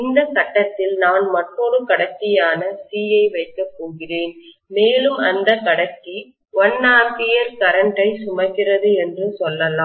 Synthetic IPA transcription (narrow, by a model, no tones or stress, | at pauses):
ɪnd̪ɐsɐʈːɐt̪ːɪlnaːnmɐʈːoɽɯkɐɽɐt͡ʃːɪjaːnɐsiːjɐɪʋɐɪkːɐpːoːɣɪreːn | meːlɯmɐnd̪ɐkɐɽɐt͡ʃːi | ʋɔnːaːpɪjɐɾkɐɾɐɳʈɐɪsʊmɐɣɪrɐðɯɛndrɯsɔlːɐlaːm